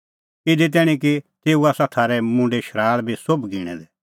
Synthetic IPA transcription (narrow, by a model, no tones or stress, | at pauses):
ɪd̪it̪̬ɛːɽ̃ĩkit̪eːuaːsãt̪ʰaːɾɛmʊ̃ɳɖeʃʰəɾaːɭbʱisʊbɡiːɽ̃ɛ̰d̪ɛ